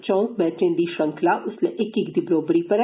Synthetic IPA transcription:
t͡ʃɔ̃ːũmɛːʈẽːd̪iːʃə̃ŋkʰlaʔʊsleʔɪkɪkd̪ibɾoːbɾiːpəɾ

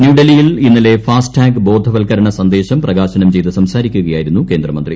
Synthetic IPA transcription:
njuːɖɐlijilinːile̞faːsʈaːŋɡɨbo̞ːd̪ʱːɐʋɐlkɐɾɐɳɐsɐnd̪e̞ːɕɐmprɐɣaːɕɐnɐmt͡ɕe̞jt̪ɨsɐmsaːɾikʲːuɣɐjaːjiɾunːuke̞ːnd̪rɐmɐnd̪rḭ

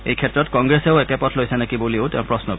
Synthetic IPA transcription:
ejkʰɛtːɹɔtkɔŋɡɹesɛʊɛkɛpɔtʰlojsʰɛnakibolioʊtɛʊ̃pɹɔsnɔ

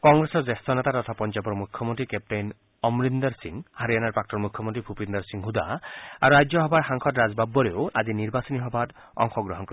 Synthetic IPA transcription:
kɔŋɡɾesɔɾd͡ʒest̪ʰɔnet̪at̪ɔt̪ʰapɔnd͡ʒabɔɾmukʰːɔmɔnt̪ɾikep̚ʈejn | ɔmɾind̪ɔɾsiŋhaɾijanaɾpak̚ʈɔɾmukʰjɔmont̪ɾibʰʱupind̪ɔɾsiŋɦud̪a̰aɾuɾajd͡ʒɔɦɔbaɾɦaŋkʰɔtɾad͡ʒbabːɔɾeoad͡ʒiniɾbasɔniɦɔbaɾ | ɔ̰ŋxɔɡɾɔɦɔnkɔɾ

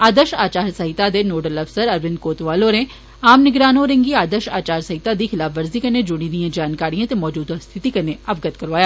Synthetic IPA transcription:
aːd̪əʃaːt͡ʃaːɾsɐɦɪt̪ad̪enoːɖəlɐfsəɾɐɾʋɪ̃nd̪̚koːt̪ʋaːloɾẽ | aːmnɪɡɾaːnõɾẽŋɡiaːd̪əʃaːt͡ʃaːɾsɐɦɪt̪ad̪ixɪlaːfʋɐɾzikɐɾned͡ʒʊɽ̃ĩd̪ijãd͡ʒaːnkaːɾijãt̪emɔːd͡ʒuːd̪ast̪ʰɪt̪ikɐɾneɐʋɡət̪kɐɾʋaːjaː

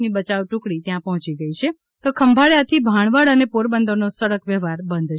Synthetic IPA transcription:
nibət͡ʃaʋʈũkɽit̪jãpəɦɔ̃t͡ʃiɡəit͡ʃʰe | t̪okʰəmbʱaɭjat̪ʰibʱaɳ̃ʋaɭənepoɾbənd̪ʱonosəɽəkʋjəʋaɾbənd̪ʱ

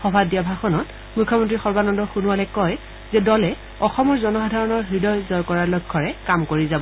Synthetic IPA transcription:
xɔbʱadiabʱaxɔnɔt | mukʰːɔmɔntɹixɔɹbanɔndɔxunʊwalɛkɔj | zɛdɔlɛ | ɔxɔmɔɹzɔnɔxɔdʱaɹɔnɔɹxɹidɔjzɔjkɔɹaɹlɔjkʰːɔɹɛkamkoɹizabɔ

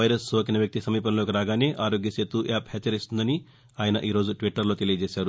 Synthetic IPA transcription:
ɐjɾɐsoːkinɐʋjɐk̚t̪isɐmiːpɐnlo̞ːkiɾaːɡaːneːʔaːɾo̞ːɡjɐseːt̪ːuːʔɛːphɛt͡ʃːɐɾist̪und̪ɐni | aːjɐnɐʔiːɾo̞ːd͡ʒuʈʋiʈːɐɾlo̞ːt̪elijɐd͡ʒɛːʃaːɾu

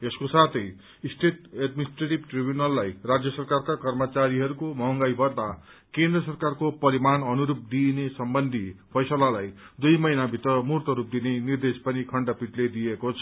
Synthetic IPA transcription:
eskosat̪ʰʌj | sʈeʈeɖminisʈreʈibʈribjunʌlːajrad͡zjʌsʌrkarkakʌrmʌt͡saɾiɦʌɾukomʌɦʌŋɡajbʱʌrd̪a | kend̪rʌsʌrkarkopʌɾimanʌnuɾup̚d̪inesʌmbʌnd̪ʱipʰʌjsʌlalaj | d̪ujmʌjnabʱit̪rʌmurt̪ʌɾup̚d̪inenird̪espʌnikʰʌɳɖʌpiʈled̪iekot͡sʰʌ̥

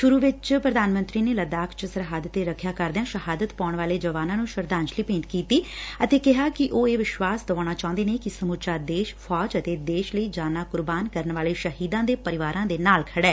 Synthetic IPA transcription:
ʃʊɾuːʋɪt͡ʃpɾəd̪aːnmə̃nt̪ɾiːneːləd̪aːkʰt͡ʃəsəɾɦaːd̪ət̪eːɾəkʰjaːkəɾd̪eãːʃəɦaːd̪ət̪paːɳʋaːleːd͡ʒəʋaːnãːnũːʃəɾd̪ãːnt͡ʃliːpẽːnʈ̪kiːt̪iːət̪eːkɪɦaːkɪʔoːeːʋɪʃʋaːsd̪əʋaːɽ̃aːt͡ʃãːʊ̃nd̪eːneːkɪsəmut͡ʃaːd̪eːʃpʰɔːd͡ʒət̪eːd̪eːʃləiːd͡ʒaːnaːkʊɾbaːnkəɾənʋaːleːʃəɦiːd̪ãːd̪eːpəɾɪʋaːɾãːd̪eːnaːlkʰəɽɛː

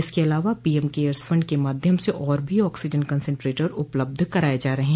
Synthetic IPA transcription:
ɪskeɐlaːʋapiɛmkeːəɾsfʰɐ̃ɳɖ̚kemaːd̪ʱjəmseʔɔːɾbʱiɔːksɪd͡ʒənkə̃nsɛ̃ɳʈɾeːʈəɾʊpləb̚d̪ʱkɐɾaːed͡ʒaːɾɐɦẽɦ

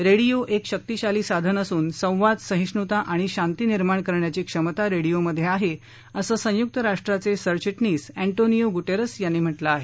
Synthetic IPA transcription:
ɾeɽijoʔekɕək̚t̪iɕaliːsad̪ʱənəsuːnsə̃w̃ʋad̪sə̃ɦĩʂɳut̪aʔaɽ̃iɕant̪iːniɾmaɳkəɾɳjat͡ɕiːkʂəmət̪aɾeɽijoməd̪ʱjeaɦe | əsəːsə̃juk̚t̪əɾaʂʈɾat͡sesəɾt͡ɕiʈniːsæɳʈonijoɡuʈeɾəsjanːim̤əʈlaːɦe

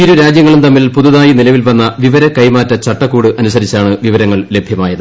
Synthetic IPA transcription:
iɾuɾaːd͡ʑjɐŋːɐɭumt̪ɐmːilpuðuðaːjinilɐʋilʋɐnːɐʋiʋɐɾɐkɐjmaːtːɐt͡ɕɐʈːɐkːuːɽɨʔɐnusɐɾit͡ɕːaːɳɨʋiʋɐɾɐŋːɐɭle̞bʱjɐmaːjɐðɨ

